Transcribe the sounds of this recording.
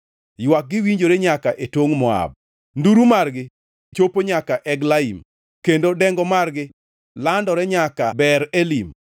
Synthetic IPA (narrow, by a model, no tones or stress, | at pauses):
jwak̚ɡɪwiɲd͡ʒoɾeɲakaʔetwoŋmɔa̰b̚ | nduɾumarɡɪ | t͡ʃopoɲakaʔɛɡlaim | kendodɛŋɡɔmarɡɪ | landɔɾɛɲakabɛɾelim